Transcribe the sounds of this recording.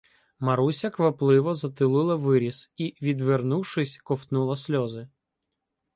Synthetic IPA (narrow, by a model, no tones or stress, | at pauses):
mɐɾusʲɐkʋɐplˠɪʋɔzɐt̪ɪlˠɪlˠɐʋɪɾʲisiʋʲid̪ʋernuwʃɪsʲkɔft̪nulˠɐsʲlʲɔzɪ